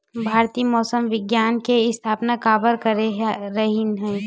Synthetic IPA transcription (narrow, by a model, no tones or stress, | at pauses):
bʱaːɾt̪iːmɔːsəmʋɪɡjaːnkeɪst̪ʰaːpnakaːbəɾkəɾɾɐɦinɦɛ̃ː